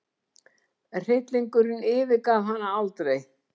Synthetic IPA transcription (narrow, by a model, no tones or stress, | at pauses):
r̥ɪt̪liŋkʏɾɪnɪːvɪkaːvɦanːaalt̪ɾej